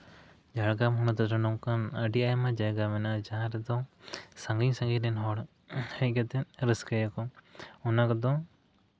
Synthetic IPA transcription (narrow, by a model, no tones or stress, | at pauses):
d͡ʒaɽɡamɦɔnɔd̪ɔɾɔnɔŋkanəɖiajamad͡ʒajɡamɛnad͡ʒaɦãɾɛd̪ɔ̃sãŋɡiɲsaŋɡinɛnɦɔɽ | hɛc̚ɡat̪ɛɾəskɛjakɔɔnakɔd̪ɔ̃